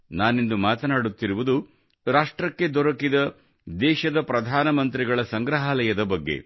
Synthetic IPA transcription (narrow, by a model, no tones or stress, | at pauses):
naːnend̪umaːt̪ɐnaːɽut̪ːiɾuʋud̪u | ɾaːʂʈɾɐkːe̞d̪ɔɾɐkid̪ɐ | d̪ɛːʃɐd̪ɐpɾɐd̪ʱaːnɐmɐnt̪ɾiɡɐɭɐsɐŋɡɾɐɦaːlɐjɐd̪ɐbɐɡːḛ